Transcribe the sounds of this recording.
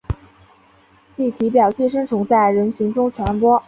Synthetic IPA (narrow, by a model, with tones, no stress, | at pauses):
t͡ɕi˥˩t̪ʰi˧˥p̬jɑ˨˩ʊt͡ɕi˥˩ʂə˥ŋʈ͡ʂʰʊ˧˥ŋt͡sa˥˩ɪɻə˧˥nɕʰy˧˥ŋʈ͡ʂʊ˥ŋt͡ɕʰɥɛ˧˥npwɔ˥